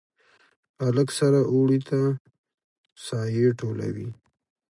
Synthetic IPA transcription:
aləksaɾaʔoɽit̪a | sɑjeʈola̰wi

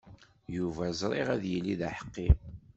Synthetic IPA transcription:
juvæzˤɾˤiʁæðjəlːiðæħə̥qːim

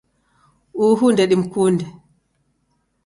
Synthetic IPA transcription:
ʔuːɦundɛɗimkuːndɛ

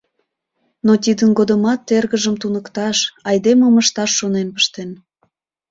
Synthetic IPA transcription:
not̪id̪ənɡod̪əmɑt̪ːerɣəʒəmt̪unəkt̪ɑʃɑjd̪eməməʃt̪ɑʃːonenpə̥ʃt̪en

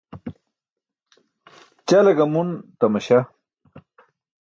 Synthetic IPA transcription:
t͡ɕalɐɡɐmunt̪ɐmɐɕa

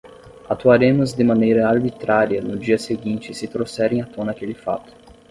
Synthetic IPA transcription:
at̪uaɾẽmʊzd̪ɪmɐ̃nejɾɐaɾbit̪ɾaɾiɐnʊd͡ʒiɐseɡĩnt͡ʃɪsɪt̪ɾosɛɾẽj̃at̪õnɐkelɪfa̰t̪ʊ̥

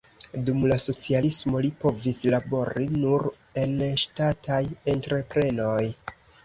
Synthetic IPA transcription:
dumlaso̞t͡sialismo̞lipo̞vislabo̞ɾinuɾ | e̞nʃtatajentɾe̞pɾe̞no̞j

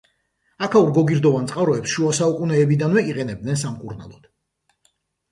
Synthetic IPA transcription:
akʰauɾɡɔɡiɾd̪ɔvansʼqʼavɾɔɛpsʃuasaukʼunɛːbid̪anvɛiqʼɛnɛb̚d̪nɛnsamkʼuɾna̰lˠɔd̪̥

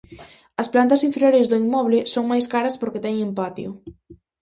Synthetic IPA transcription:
ɐsplant̪ɐsiɱfeɾjoɾezðʊimːɔβlɪsoŋmajskaɾɐspoɾket̪ɛŋẽmpat̪jʊ

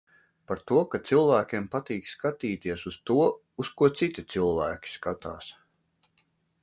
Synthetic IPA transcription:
paɾt̪uɔkat̪silˠvæːkʲeɛmpat̪iːkskat̪iːt̪iɛsuz̥t̪uɔ | uskuɔt̪sit̪it̪silˠvæːkʲi̥skat̪aːs

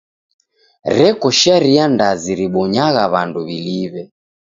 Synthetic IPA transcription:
ɾɛkɔʃaɾiandaziɾiɓɔɲaɣaβanduβiliβɛ

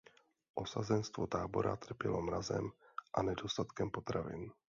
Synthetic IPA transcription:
ʔo̞sazɛnst̪vot̪aːbo̞ɾa̰t̪r̩pjɛlomɾazɛ̰mʔanɛdo̞st̪at̪kɛmpo̞t̪ɾavɪ̰n

